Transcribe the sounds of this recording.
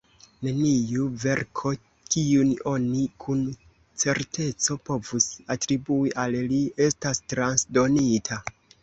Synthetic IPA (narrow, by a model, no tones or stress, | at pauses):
ne̞nijuve̞ɾkʰo̞ | kiuno̞nikʰun | t͡se̞ɾte̞t͡so̞po̞vusatɾibuiʔallie̞stastɾansdo̞nitʰa